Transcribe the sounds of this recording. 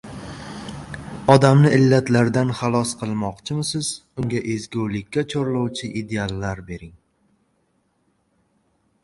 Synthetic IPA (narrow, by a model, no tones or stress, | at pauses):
ɒd̪amnɪʔɪlːat̪laɾd̪anχalˠɒsqʰɨlˠmɒqt͡ʃʰɪmɪsɪz̥ | ʊŋɡʲaʔe̞zɡʲowlɪkʲʰːat͡ʃʰoɾlˠowt͡ʃʰɪʔid̪e̞alˠːaɾbe̞ɾɪŋ